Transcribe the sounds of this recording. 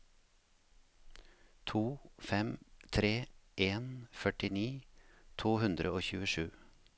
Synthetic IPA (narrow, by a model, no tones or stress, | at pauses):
t̪ʰuːfɛmt̪ʰɾeːʔeːnfœʈɪniːt̪ʰuːhʉnd̪ɾəoːçʉːəʃʉː